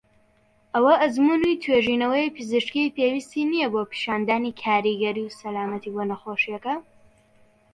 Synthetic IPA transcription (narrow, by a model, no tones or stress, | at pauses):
ʔɐwɐʔɐzmunit̪ʰweːʒiːnɐwɐjpʰɨzɨʃkijpewist̪iːnijɛbopi̥ʃaːnd̪aːnikʰaːɾiɡɐɾiwsɐlaːmɐt̪iboːnɐxoːʃiɐkɐ